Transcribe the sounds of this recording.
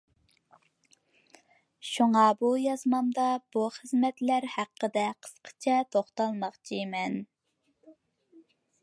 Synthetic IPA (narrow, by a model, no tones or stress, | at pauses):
ʃuŋɑbujɑzmɑmd̪ɑb̥uχəzmɛt̪læɾhæqːəd̪ɛqʰə̥sqʰə̥t͡ʃʰɛt̪ʰoχt̪ɑlˠmɑχt͡ʃʰimɛn